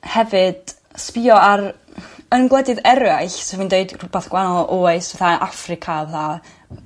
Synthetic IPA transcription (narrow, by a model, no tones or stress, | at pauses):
hɛvɨd̥ | spɪɔaɾ | ənɡlˠɛdɨðɛɾjajɬsɛvwiːndeɨdrubɛθɡwanɔʔoːjsvɛθaʔafrɪkʰavlaː